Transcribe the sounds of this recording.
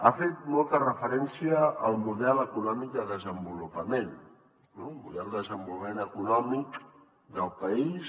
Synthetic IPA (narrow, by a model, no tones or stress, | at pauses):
afet̪̚mɔlˠt̪ərəfəɾɛnsiəəlˠmuðɛləkunɔmik̚d̪əðəzəmbulupəmen | nomṵðɛlˠd̪əzəmbulumenəkunɔmik | d̪əlˠpəis